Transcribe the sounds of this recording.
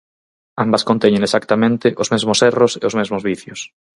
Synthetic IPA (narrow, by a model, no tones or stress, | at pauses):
ambɐskõnt̪ɛɲẽŋesakt̪amẽnt̪ɪʔʊzmezmʊsɛrʊsḛʊzmezmʊzβiθjʊs